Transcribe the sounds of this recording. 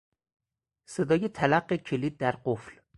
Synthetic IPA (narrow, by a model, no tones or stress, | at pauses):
se̞d̪ɒːjet̪ʰælæɢːecʰeliːd̪̚ːæɾɢofl